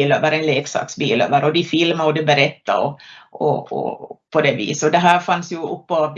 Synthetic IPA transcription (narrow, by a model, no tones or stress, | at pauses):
løːvəɾɛnleːksɑ̰ːksbiːlø̰ːvəɾɔd̪ɪfɪlmaɔd̪ɛbɛɾɛt̪ːa̰ɔɔ̰ɔ̰pʰɔd̪ɛvḭːsɔd̪ɛɦæːɾfansjɵɵpːav